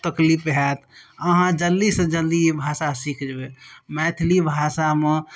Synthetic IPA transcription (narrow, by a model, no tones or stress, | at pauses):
t̪əklipɦɛt̪ʰəɦãd͡ʒəlːisəd͡ʒəlːibʱasasikʰd͡ʒbemɛt̪ʰlibʱasame